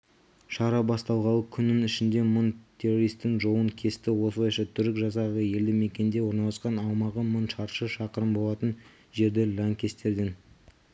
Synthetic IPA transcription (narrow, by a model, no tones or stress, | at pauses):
ʃɑɾɑbɑst̪ɑlˠʁɑlˠəkʲʰʏnɪnɪʃɪnd̪e̞mʊnt̪ʲʰe̞roɾijst̪ːɪŋʒowəŋkʲʰe̞st̪ɪwo̞slˠɑjʃɑt̪ʰʏɾɪkʒɑsɑʁəje̞ld̪ɪme̞kʲe̞nd̪e̞wo̞ɾnɑlˠəsqɑnɑwmɑʁəmʊnʃɑɾʃəʃɑqəɾəmbo̞lˠɑt̪ən | ʒe̞ɾd̪ɪlʲɑŋkʲʰe̞st̪e̞ɾd̪e̞n